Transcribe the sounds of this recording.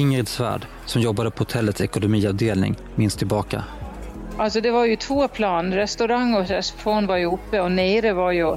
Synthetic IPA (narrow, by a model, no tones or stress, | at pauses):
ɪŋɾɛd̪svæ̰ːɖ | sɔmjɔbːad̪əpʰɔhʊt̪ʰɛlːət̪sɛkʊnʊmiːavd̪eːlnɪ̰ŋ | mɪnst̪ʰːɪlbɑːka̰ | ʔalsɔd̪ɛvaɾjɵt̪ʰvoːpʰlɑːnɾɛst̪ʉɾaŋːɔsɛspfoːnvaɾjɵʊpːəɔneːɾəvaɾjɵ